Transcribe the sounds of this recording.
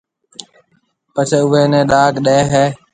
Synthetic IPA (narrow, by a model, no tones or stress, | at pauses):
pət͡ʃʰeʊʋeːnẽːɗaːkɗeːɦeː